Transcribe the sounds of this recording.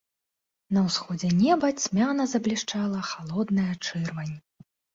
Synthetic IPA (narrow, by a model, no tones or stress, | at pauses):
nɐwsxɔd͡zʲɛnʲɛbɐt͡sʲmʲanɐzɐblʲiʂt͡ʂalˠɐxalˠɔd̪nɨjɐt͡ʂɨrvɐnʲːɛ